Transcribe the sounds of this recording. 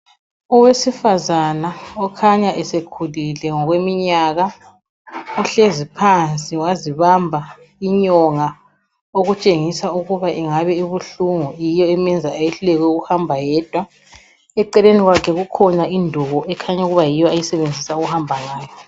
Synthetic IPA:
ɔwesifazanaɔkʰaɲaʔɛsekʰulilɛŋɔɣwemiɲaɣa | ɔɬezipʰant͡sʼiwaziβambʱa | iɲɔŋa | oɣut͡ʃʼeŋisauɣuβaʔiŋaβɛiβuɬuŋujijɔɛmɛnd͡zʱaajɛɬulɛɣ̬wɛuɣuhambʱajɛːd̥ʱwa | ɛǃɛleniɣwakʰɛɣukʰɔnaindʱuɣɔʔɛkʰaɲauɣuβajijɔajisɛβend͡zʱisauɣuhambʱaŋaːjɔ

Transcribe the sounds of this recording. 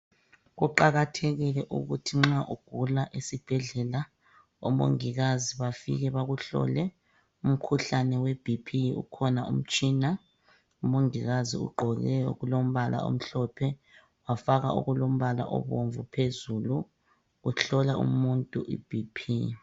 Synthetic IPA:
ɣuǃaɣatʰɛɣilɛʔuɣutʰiŋ͡ǁaʔuɡ̥ʱulaʔesib̥ʱɛɮɛla | ɔ̰mo̰ŋiɣaziβafḭɣɛβaɣuɬɔ̰lɛ | um̩kʰuɬanɛwɛb̥ʱipʰiṵkʰɔnaṵm̩t͡ʃʼiːna | umoŋiɣazḭṵɡ͡ǃʱɔɣɛjɔɣulom̩βalʔa̰o̰m̩ɬɔpʰɛ | wafaɣaʔṵɣulom̩βala̰ʔɔ̰βoɱvupʰezulu | uɬɔlaṵmuntʼuʔḭb̥ʱipʰḭ

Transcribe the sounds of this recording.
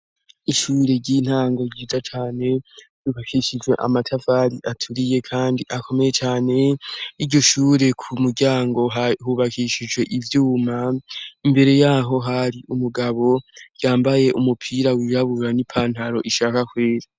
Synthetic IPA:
iʃuːɾe̞ɟin̥haːŋɡoɟiːzat͡ʃaːne̞ | juβakiʃid͡ʒwe̞ʔa̰matʰavaɾiʔatʰuɾije̞kʰaːndiʔakʰo̞me̞je̞t͡ʃaːne̞iɾɟo̞ʃuːɾe̞kʰumuɾɟaːŋɡo̞ahuβakiʃid͡ʒwe̞ʔivjuːmaimbe̞ɾe̞jaːɦo̞ɦaɾiʔumuɡaβo̞jaːmbaje̞ʔumupʰiɾawiːɾaβuɾanipʰaːn̥haɾo̞ʔiʃaːkakwe̞ːɾa

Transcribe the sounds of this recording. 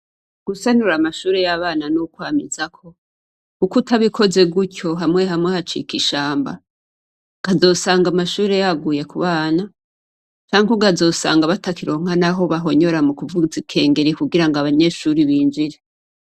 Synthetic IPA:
ɡ̥usanuɾamaʃuːɾejaβaːnanukwaːmizakʰo̞ | kukutʰaβikʰo̞ze̞ɡucʰo̞ɦamŋe̞ɦamŋehat͡ʃḭkiʃaːmba̰ | ɡ̥azo̞ːsaːŋɡamaʃuːɾe̞jaɡuje̞kuβaːna | t͡ʃaːŋkuɡazo̞ːsa̰ːŋɡaβatakiɾo̞ːŋ̥hanaɦo̞βaɦo̞ɲo̞ɾamukuvuzikʰe̞ːŋɡe̞ɾikuɡiɾaŋɡaβaɲe̞ːʃuɾiβiːnd͡ʒiɾe

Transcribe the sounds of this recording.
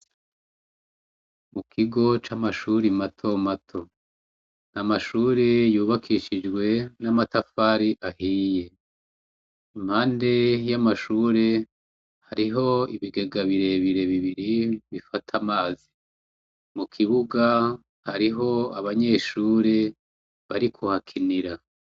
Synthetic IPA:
mukʰiɡo̞t͡ʃamaʃuːɾimatʰo̞matʰo | namaʃuːɾe̞juːβakʰiʃid͡ʒɡwe̞namatafaːɾiʔahije̞ | imhaːnde̞jamaʃuːɾe̞ | haɾiɦo̞ḭβiɡe̞ɡaβiɾe̞βiɾe̞βiβiɾiβifatʰamaːzi | mukʰiβuɡa | haɾiɦo̞aβaɲe̞ːʃuːɾe | βaɾikʰuhakʰiniɾa

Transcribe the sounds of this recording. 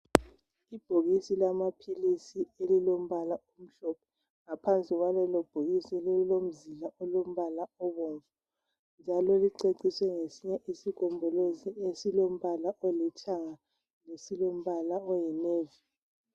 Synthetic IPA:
ib̥ʱoɣisilamapʰilisielilom̩βalaom̩ɬɔpʰɔ̥ | ŋapʰant͡sʼiɣwalɛlob̥ʱoɣisielillom̩zilaɔlom̩βalaɔβoːɱvu | nd͡ʒʱalɔliǀeǀiswɛŋesiɲɛʔisikʰɔmbʱɔloziesilom̩βalaʔolit͡ʃʰaŋa | nesilom̩βalaɔjineːvi

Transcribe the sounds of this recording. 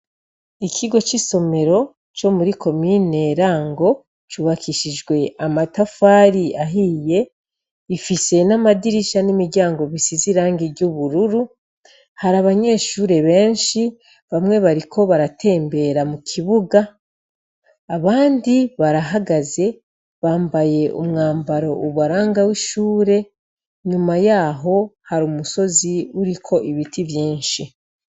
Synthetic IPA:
ikʰiɡo̞t͡ʃiso̞me̞ɾo̞ | t͡ʃo̞muɾikʰo̞mine̞ɾaːŋɡo̞ | t͡ʃuβakiʃid͡ʒɡwe̞ʔamatafaːɾiaɦije̞ | ifise̞namadiɾiʃanimiɾɟaːŋɡo̞βisiziɾaːŋɡiɾɟuβuɾuɾu | haɾaβaɲe̞ːʃuːɾe̞βe̞ːnʃi | βamŋe̞βaɾikʰo̞βaɾatʰe̞ːmbe̞ːɾamukʰiβuɡa | βaːndiβaɾaɦaɡaze̞ | βaːmbaje̞ʔumŋaːmbaɾo̞ʔuβaɾaːŋɡawiʃuːɾe̞ | ɲumajaːɦo̞haɾumuso̞ziuɾikʰo̞ʔiβitʰivjiːnʃi

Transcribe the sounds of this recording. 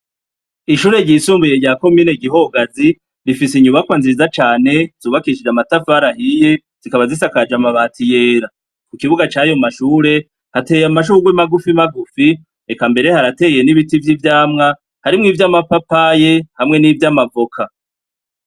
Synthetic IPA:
iʃuːɾe̞ɾɟisuːmbuje̞ɾɟaːko̞miːne̞ɡiɦo̞ɡazi | ɾifisiɲumakwanzizat͡ʃaːne̞z̥uːβakiʃid͡ʒamatafaɾahije | z̥ikaβazisakad͡ʒamaβaːtʰije̞ːɾa | kukiβuɡat͡ʃaːjo̞maʃuːɾe̞ | hate̞jamaʃuːɡwemaɡufimaɡufi | ekambe̞ɾe̞haɾate̞je̞niβitivjivjaːmŋa | haɾimŋiːvjamapapajehamŋe̞nivjamavo̞kʰa

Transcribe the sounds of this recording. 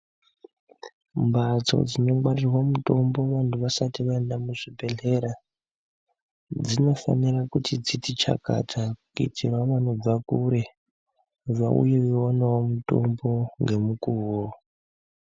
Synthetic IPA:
mbat͡so̞̰d͡zino̞ɡwarirwamuto̞mbo̞ʋantuʋasatiʋaendamuʐibe̞ɮe̞ɾa | d͡zino̞fa̰nirakutʰit͡sitit͡ʃa̰ka̰tʰakuitʰirwaʋano̞b͡vakuɾe̞ | ʐa̰ṵjeʋiwonawomuto̞̰mbo̞ŋɡe̞mukuːwo

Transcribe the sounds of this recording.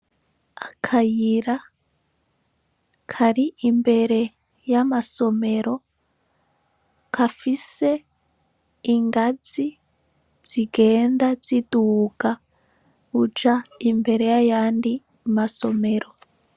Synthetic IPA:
akʰajiɾa | kʰaɾiʔimbeɾe | jamasomeɾo | kʰafise | ŋɡad͡zi | d͡z̥iɡendad͡zituka | ut͡ʃaimbeɾejajaːndi | masomeɾo

